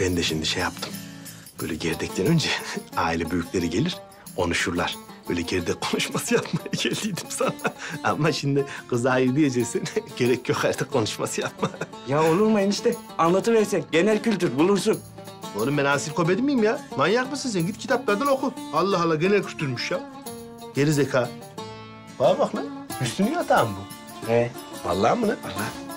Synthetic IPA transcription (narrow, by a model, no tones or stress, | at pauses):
b̥ɛnd̪ɛʃimnd̪iʃejap̚t̪ʰɯ̥m | bø̰jlʲɛ̰ɟɛɾd̪ɛc̚t̪ʰɛnø̞nd͡ʒɛa̰ːilʲɛbyjycʲlʲeɾiɟelʲiɾ̥ | kʰo̞̰nuʃuɾlˠa̰ɾ̥b̥ø̰ːjlʲɛɟɛɾd̪ɛkkʰo̞nuʃmasɯjapmajɟɛlʲd̪iːd̪imsanaa̰mːaʃind̪iqʰɯzaːjɯɾb̪ijed͡ʒesinɟeɾɛcʰːjoxaɾt̪ɯkkʰːo̞nuʃmasɯjap̚majao̞lˠuɾmajɯniʃt̪ɛ | anlˠat̪ʰɯvɛɾsɛɟenɛlʲkylʲt̪yɾbulˠuɾsun | oɾumɛnaːsilʲkʰo̞bed̪imijimjamanjaqmɯsins̬ɛnɟit̪̚kcʰi̥t̪ʰaplaɾd̪ɛnokʰualˠːaɦalˠːaɡenɛlʲkcʰylʲt̪ʰyɾmyʃjam | ɟ̥eɾizekʰaː | babaχmɛhysynyjat̪ʰaːmbu | ɛba̰lˠːamɯnɯalːa